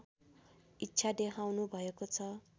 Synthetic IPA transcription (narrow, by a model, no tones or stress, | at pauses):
itːsʰad̪ekʰawnubʱʌekot͡sʰʌ